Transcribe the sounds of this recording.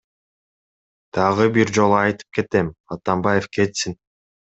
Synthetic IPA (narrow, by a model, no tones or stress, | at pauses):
d̪̥ɑʁɯbiɾd͡ʒo̞lˠuɑjt̪ɯ̥p̚ke̞t̪emɑt̪ɑmbɑje̞fke̞t̪sin